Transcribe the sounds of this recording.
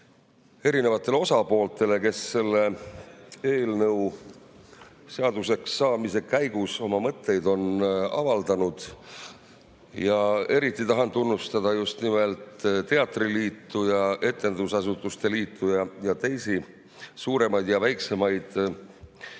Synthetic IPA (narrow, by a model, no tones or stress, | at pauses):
e̞ɾine̞vɑt̪ːˑe̞lo̞sɑpo̞ːlt̪ˑe̞le̞ke̞sːe̞lːe̞ | e̞ːlnɤw | se̞ɑd̪̥use̞ksːɑːmise̞kæjɡ̥uso̞mɑmɤt̪ˑːe̞jd̪̥o̞nɑ̰vɑld̪ɑnud̪̥ | jɑe̞ɾit̪ːˑit̪ɑɦɑnt̪unːust̪ɑd̪̥ɑjust̪nime̞lt̪t̪e̞ɑt̪ːˑriliːt̪ːˑujɑe̞t̪ːˑe̞nd̪̥usɑsut̪ːˑust̪e̞liːt̪ʰːujɑjɑt̪e̞jsi | suːɾe̞mɑjd̪̥jɑvæjksemɑjd̪̥